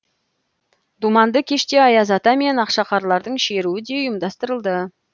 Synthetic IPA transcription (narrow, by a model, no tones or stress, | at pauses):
d̪umɑnd̪əkʲʰe̞ʃt̪e̞ɑjɑzɑt̪ɑme̞nɑqʃɑqɑɾlˠɑɾd̪əɴʃe̞ɾuɪd̪e̞ʊjəmd̪ɑst̪əɾəlˠd̪ə